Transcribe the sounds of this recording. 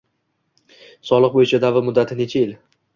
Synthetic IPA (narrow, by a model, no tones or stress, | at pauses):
sɒlˠɨq̚bojɪt͡ʃʰad̪avɪɾmʊd̪ːat̪ʰɪne̞t͡ʃʰaɪl